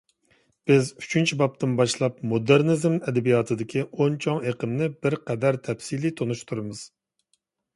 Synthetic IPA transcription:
b̥ɪzy̥t͡ʃʰynt͡ʃʰibɑp̚t̪ɨnbɑʃlˠɑpmod̪eɾnɨzmɛd̪ɛbijɑt̪ʰɨd̪ɪkʲʰiont͡ʃʰoŋeqəmnɪbɪɾqʰɛd̪æɾt̪ʰɛpsilit̪ʰonuʃt̪ʰuɾɨmɨz̥

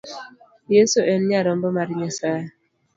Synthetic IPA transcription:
jesoʔenɲjaɾɔm̩bɔmaɾiɲasa

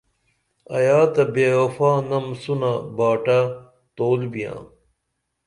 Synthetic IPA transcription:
ɐ̰jaːt̪ɐbeːofãːnɐmsunabaːʈa | t̪oːlbijã̰ː

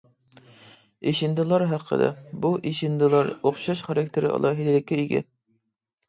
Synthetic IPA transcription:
iʃind̪ɨlˠɑɾɦɑqʰːə̰d̪ɑ̰buʔiʃind̪ɨlˠɑɾoχʃɑʃχɑɾɑk̚ʲt̪ʰeɾɪɑ̰lˠʔɑɦilɪlɪkʲːɛiɡʲɛ̰n

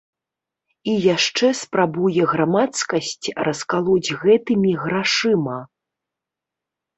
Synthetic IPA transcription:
ijaʂt͡ʂɛspɾabujɛɣɾamat̪skɐsʲt͡sʲrʔɐskalˠud͡zʲɣɛt̪ɨmʲiɣɾaʂɨmɐ

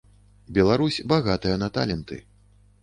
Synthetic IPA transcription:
bʲɛlˠaɾusʲbaɣat̪ɨjɐnɐt̪a̰lʲɛnt̪ɨ̰

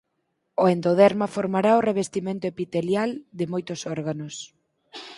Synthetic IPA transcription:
oend̪oðɛɾmafoɾmaɾaoreβ̞est̪imẽnt̪ʊepit̪eljald̪ɪmojt̪ʊsɔɾɣanos

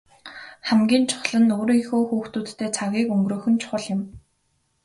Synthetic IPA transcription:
χæmɡʲiːnt͡ɕʰʊ̥χɮə̆nʊɾiŋxoːxuːxt̪uːt̪ːeːt͡sʰaɣʲiːkɵŋɡroːxɵ̆nt͡ɕʰʊ̥χə̆ɮjɪ̆m

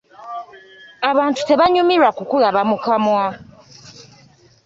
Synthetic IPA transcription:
aβantutɛβaɲumiɾakukulaβamukʰamua

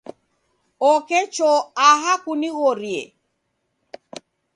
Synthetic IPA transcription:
ɔkɛt͡ʃɔaɦakuniɣɔɾjḛ

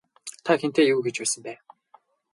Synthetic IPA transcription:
t̪ʰaxent̪eːjuːɡet͡ɕpæːsə̆mpæː

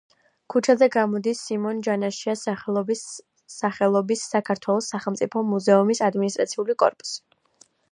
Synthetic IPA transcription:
kʰut͡ʃʰazɛɡamɔd̪isːimɔnd͡ʒanaʃias | aχɛlˠɔbisːakʰaɾt̪ʰwɛlˠɔsːaχɛlˠmt̪sʼipʰɔmuzɛumisad̪minist̪ʼɾat̪sʰiulikʼɔ̰ɾpʼu̥si̥

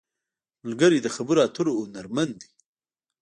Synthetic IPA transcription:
mʊlɡəɾid̪əxabuɾaːt̪ʰuɾoːnaɾmand̪i

